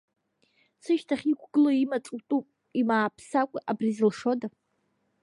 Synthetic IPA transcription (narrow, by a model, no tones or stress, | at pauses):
sɨʃtʰaχʲikʷʰɡɨloimat͡sʼtʼupʼ | imaːpʰsakʷʼaʔabrizɨlʂo̞da